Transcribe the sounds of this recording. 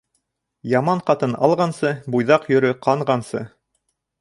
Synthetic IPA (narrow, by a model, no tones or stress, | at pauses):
jɑmɑɴqɑt̪ɤnɑ̰lˠʁɑnsɤbujðɑqjɵ̆ɾɵqɑɴʁɑnsɤ̰